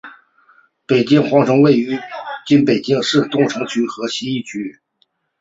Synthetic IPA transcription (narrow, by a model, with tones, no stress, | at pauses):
pe˨˩ɪt͡ɕi˥ŋxwɑ˧˥ŋʈ͡ʂɤ˧˥ŋwe˥˩ɪy˧˥t͡ɕi˥npe˨˩ɪt͡ɕi˥ŋʂɻ̩˥˧t̪ʊ˥˩ŋʈ͡ʂʰɤ˧˥ŋt͡ɕʰy˧˥xɤ˧˥ɕɛ˧˥i˥˩t͡ɕʰy˧˥